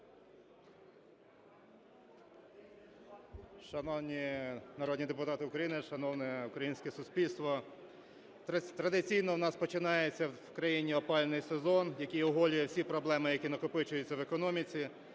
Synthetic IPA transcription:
ʃɐnɔwnʲinɐɾɔd̪nʲid̪epʊt̪ɑt̪ɪʊkɾɐjinɪʃɐnɔwnɛʊkɾɐjinʲsʲkɛsʊsʲpʲilʲst̪ʋɔ | t̪ɾɐd̪ɪt͡sʲijnɔwnɑspɔt͡ʃɪnɑjet͡sʲːɐ | kɾɐjinʲiɔpɑlʲnɪjsezɔnjɐkʲijɔɦɔlʲʊjɛwsʲipɾɔblˠɛmɪjɐkʲinɐkʊpɪt͡ʃʊjʊt͡sʲːɐʋekɔnɔmʲit͡sʲi

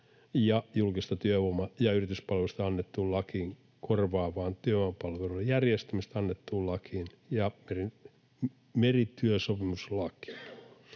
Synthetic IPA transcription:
jɑjulkist̪ɑt̪yøʋomɑjɑyrit̪yspɑlʋelust̪ɑɑnːet̪ːuːllɑkiŋ | korʋɑːʋɑːnt̪yøɑmpɑlʋeluejærjest̪æmist̪ɑnːet̪ːuːllɑkin | jɑmeri | merit̪yøsopimuslɑki̥

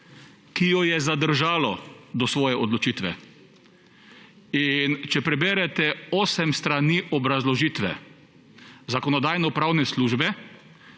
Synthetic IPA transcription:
kijɔjɛzad̪əɾʒaːlɔd̪ɔsʋɔːjɛʔɔd̪lɔt͡ʃiːt̪ʋɛ̰ | int͡ʃɛpɾɛbeːɾɛt̪ɛɔːsɛmst̪ɾaniʔɔbɾazlɔʒiːt̪ʋɛ̰ | zakɔnɔd̪aːjnɔpɾawnɛsluːʒbɛ

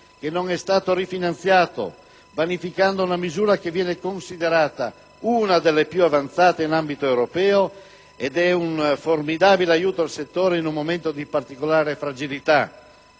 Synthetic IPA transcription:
k̟enːoŋɛst̪aːt̪oɾifinant̪sjaːt̪o̰ | vanifikand̪ounamizuːɾakevjɛːnekonsid̪eɾaːt̪a̰ | unad̪elːepjuavant̪saːt̪einambit̪oewɾopɛːo | ed̪ɛunformid̪aːbileajuːt̪oalset̪ːoːɾeinumːoment̪od̪ipart̪ikolaːɾefɾad͡ʒilit̪a

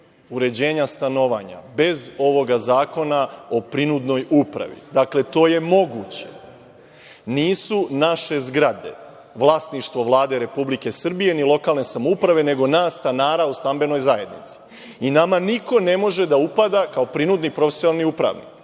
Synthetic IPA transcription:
uɾe̞d͡ʑe̞ːɲast̪ano̞ʋaɲa̰be̞zo̞ʋo̞ɡazaːko̞nao̞pɾinud̪no̞jupɾa̰ʋḭd̪akle̞t̪o̞ːje̞mo̞ɡut͡ɕe̞̰ | niːsunaʃe̞zɡɾad̪e̞̰ | ʋlˠaːsniʃt̪ʋo̞ʋlˠaːd̪eɾe̞publike̞sr̩bije̞nilˠo̞kaːlˠne̞samoupɾaʋe̞ne̞ɡo̞naːsːt̪anaːɾaust̪ambe̞no̞jzaje̞d̪nḭt̪si̥ | inamaniko̞ne̞mo̞ʒe̞d̪aupad̪akao̞pɾinud̪nipɾo̞fesjonalˠniupɾa̰ʋnḭk

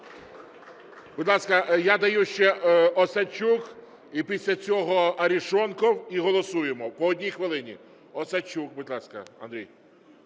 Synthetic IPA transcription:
bʊd̪lˠɑskɐjad̪ɐjuʃt͡ʃɛɔsɐt͡ʃuk | ipʲisʲlʲɐt͡sʲɔɦɔɐɾʲiʃɔnkɔwiɦɔlˠɔsujemɔpɔɔdʲnʲijxʋɪlˠɪnʲi | ɔsɐt͡ʃukbʊd̪ʲlˠɑskɐ̰ɐ̰nd̪ɾʲḭj

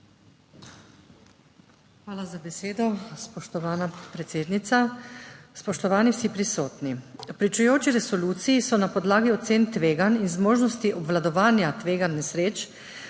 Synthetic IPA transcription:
xʋaːlazabɛseːd̪ɔspɔʃt̪ɔʋaːnapɾet̪seːd̪nit̪sa | spɔʃt̪ɔʋaːniwsipɾisoːt̪nipɾit͡ʃujoːt͡ʃiɾɛsɔluːt̪sijisɔnapɔd̪laːɡiɔt̪seːnt̪ʋeːɡaninzmoːʒnɔst̪iʔɔbʋlad̪ɔʋaːnjat̪ʋeːɡanːɛsɾeːt͡ʃ

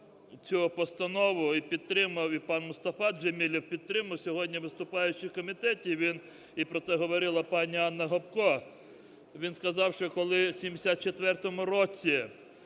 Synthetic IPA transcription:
t͡sʲupɔst̪ɐnɔʋʊipʲid̪̚t̪ɾɪmɐwipɑnmʊst̪ɐfɑd̪d͡ʒemʲilʲiwpʲid̪̚t̪ɾɪmɐwsʲɔɦɔdʲnʲiʋɪst̪ʊpɑjʊt͡ʃɪwkɔmʲit̪ɛtʲiʋʲin | ipɾɔt̪sɛɦɔʋɔɾɪlˠɐpɑnʲiɑnːɐɦɔpkɔ | ʋʲinskɐzɑwʃt͡ʃɔkɔlˠɪsʲimd̪esʲat̪̚t͡ʃet̪ʋɛrt̪ɔmʊɾɔt͡sʲi

